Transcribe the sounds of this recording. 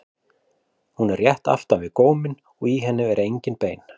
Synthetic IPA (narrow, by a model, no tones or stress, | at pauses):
hunɛrːjɛht̪a̰l̥t̪anvɪðkoːwmɪn | ɔɣiɦɛnːɪvɛɾejɲcɪnpeːjn